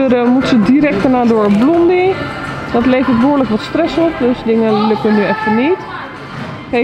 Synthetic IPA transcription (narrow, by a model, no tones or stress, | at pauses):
əɾəmutsədiɾɛk̚tənaːdoɹblɔmdid̥ɔtleːfətʋoːɹləkʋɔtstrɛsɔp̚døsdɪŋəløkənyɛftənit | ke